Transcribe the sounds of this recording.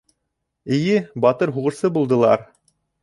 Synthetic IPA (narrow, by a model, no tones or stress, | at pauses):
ɘ̆jɘbɑt̪ɤɾɦuʁɤ̆ɾsɤbulˠd̪ɤ̆lˠɑɾ